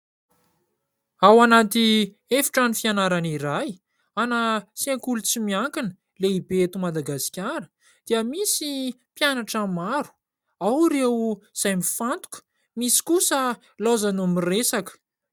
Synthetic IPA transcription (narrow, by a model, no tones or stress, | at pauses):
awanat̪i | efi̥ʈ͡ʂanifianaɾaniɾaj | anasieŋkulut͡simiaŋkinə | leibeet̪umad̪aɡasi̥kʲaɾə | d̪̥iəmisi | pjanaʈ͡ʂamaɾu̥ | awɾewz̥ajmifant̪u̥kə̥ | misi̥kusə | lozanumiresakə̥